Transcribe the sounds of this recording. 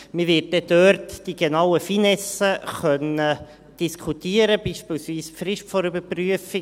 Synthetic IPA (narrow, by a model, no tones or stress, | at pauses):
miʋɪːt̚dɛdøɾtd̥iɡenawəfiːnɛsəχœnə | d̥iskʰutiːəɾəbiːʃpiːlsviːsfɾɪʃtfɔɾybəɾpryəfɪ